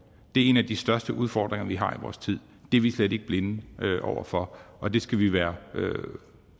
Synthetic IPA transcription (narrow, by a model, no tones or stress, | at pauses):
d̥e̝æɐe̝næd̥isd̥ɶɐsd̥əʔuð̞ˠfɒ̰ːd̥ʁeŋɐʋiɦɑ̈iʋɒ̰ːst͡sʰið̞̰ˠ | d̥eɐʋisled̥e̝ɡ̥̚b̥le̝nʔɒ̰ʊ̰ʔɐ̰fɒ̽ʔɒ̽d̥e̝sɡ̥æʋiʋæːɐø̰